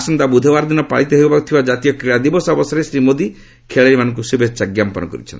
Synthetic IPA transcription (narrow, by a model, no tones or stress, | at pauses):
sɔnd̪abud̪ʱebaɾɔd̪inɔpa̰ɭit̪eɦojbbakut̪ʰibad͡ʒat̪ijɔkeɭad̪ibɔsɔbɔsɔɾesɾimod̪i | kʰeɭeɾimanɔŋkusibet͡ʃaɡjampɔnɔkɔ̰ɾḭt͡ʃʰɔ̰nt̪